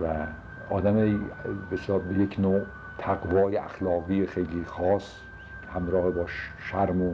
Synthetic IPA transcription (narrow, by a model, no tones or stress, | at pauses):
væ | ɒ̰ːd̪æmejbesɒːd̪̚bejekʰno | t̪ʰæɡvɒːjea̰xlɒːʁiːxejlixɒːs | hæmɾɒːhebɒːʃʃæɾmo